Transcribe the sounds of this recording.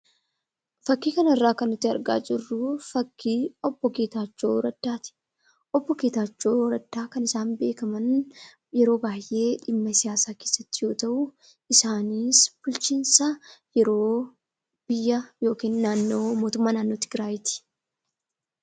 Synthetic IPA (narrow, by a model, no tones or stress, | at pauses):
fɐkːiːkɐnɐɪrːaːkɐnːʊt̪ːɪɐ̰ɾɡa̰ːd͡ʒɪrːʊfɐkːiːɔbːɔkeːt̪aːt͡ʃːo̞̰ːɾɐd̪̥ːaːt̪ɪ̥ | ʔɔbːɔkeːt̪aːt͡ʃːo̞ːɾɐd̪ːaːkɐnɪsaːnbe̞ːkɐmɐn | jɛɾo̞ːbaːjʔe̞ːᶑɪmːɐsɪjaːsaːke̞ːsːɐt̪ːɪjo̞ːt̪ɐʔʊ | ɪsaːniːsb̥ʊlt͡ʃinsɐjɛɾo̞ː | b̥ɪjːɐjo̞ːkiːnːaːnːo̞ːmoːt̪ʊmːaːnaːnːo̞ːt̪ɪɡɾaːjɪt̪ɪ̥